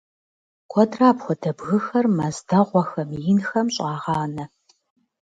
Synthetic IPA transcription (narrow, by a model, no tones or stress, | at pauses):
kʷʰɔdraːpxʷɔdʰɐbɣɨxɐrmɐzdɐʁʷɔxɐmjɪnxɐmɕʼɑːʁɑːnɐ